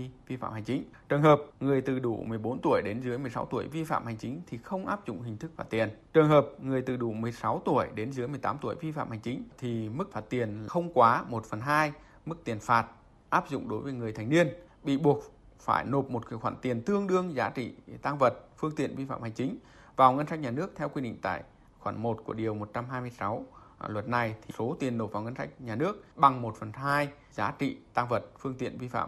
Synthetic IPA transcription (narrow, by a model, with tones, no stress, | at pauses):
i˧vi˧fa̰ː˧˨mha˨˩ŋt͡ɕï˨˦ŋ̟t͡ɕɨː˨˩nhɦəː˨˩p̚ŋɨ˨˩əjt̪ɨ˨˩ɗṵ˧˩mɨ˨˩əjɓo˨˦nt̪u˧˩əjɗe˨˦nzɨ˨˦əjmɨ˨˩əjsa˨˦wt̪u˧˩əjvi˧fa̰ː˧˨mha˨˩jŋ̟t͡ɕï˨˦ŋ̟t̪ʰi˨˩xə˧wŋ͡mʔaː˦˥p̚zʊ̰˧˨ŋ͡mɦï˨˩ŋ̟t̪ʰɨ˦˥k̚fa̰ː˧˩t̪̚i˨˩ənt͡ɕɨ˨˩əŋɦəː˨˩p̚ŋɨ˨˩əjt̪ɨ˨˩ɗu˧˩mɨ˨˩əjsa˨˦wt̪u˧˩əjɗe˨˦nzɨ˨˦əjmɨ˨˩əjt̪aː˨˦mt̪u˧˩əjvi˧fa̰ː˧˨mha˨˩jŋ̟t͡ɕï˨˦ŋ̟t̪ʰi˨˩mɨ˦˥k̚faː˧˩t̚t̪i˨˩ənxə˧wŋ͡mkwaː˨˦mo˨˩t̚fə˨˩nɦaː˧j | mɨ˦˥k̚t̪i˨˩ənfaː˨˩t̚ | ʔaː˦˥p̚zʊ̰˧˨ŋ͡mɗo˨˦jvəː˨˦jŋɨ˨˩əjt̪ʰa˨˩jŋ̟ni˧ən | ɓḭ˧˨ɓu˨˩ək̚fa̰ː˧˩jno˨˩p̚mo˨˩t̚kːxwaː˧˩nt̪i˨˩ənt̪ɨ˧əŋɗɨ˧əŋzaː˨˦t͡ɕḭ˧˨t̪aː˧ŋvə˨˩t̚fɨ˧əŋt̪ḭ˧˨ənvi˧fa̰ː˧˨mha˨˩ŋ̟t͡ɕï˨˦ŋ̟ | vaː˨˩wŋə˧nsa˦˥k̟̚ɲaː˨˩nɨ˦˥ək̚t̪ʰɛ˧wkwi˧ɗḭ˧˨ŋt̪a̰ː˧˨j | xwaː˧˩nmo˨˩t̚ku˧˩əɗi˨˩əwmo˨˩t̚t͡ɕa˧mɦaː˧jmɨ˧əjsa˨˦w | lwə˨˩t̚na˨˩jt̪ʰi˨˩so˨˦t̪i˨˩ənːo˨˩p̚vaː˨˩ŋə˧nsa˦˥jk̟̚ɲaː˨˩nɨ˦˥ək̚ɓa˨˩ŋmo˨˩t̚fə˨˩nɦaː˧j | zaː˨˦t͡ɕḭ˧˨t̪aː˧ŋvə˨˩t̚fɨ˧əŋt̪ḭ˧˨ənvi˧fa̰ː˧˨m